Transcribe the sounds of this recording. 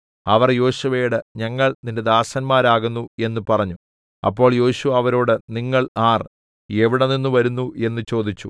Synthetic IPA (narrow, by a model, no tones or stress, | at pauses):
ɐʋɐrjo̞ːɕɐʋɐjuɽɨɲɐŋːɐɭninde̞d̪aːsɐnmaːɾaːɣunːue̞nːupɐrɐɲːu | ɐ̰pːo̞ːɭjo̞ːɕuʋɐːʋɐɾo̞ːɽɨniŋːɐɭaːr | e̞ʋiɽɐninːuʋɐɾunːuʔe̞nːut͡ɕo̞ːd̪it͡ɕːu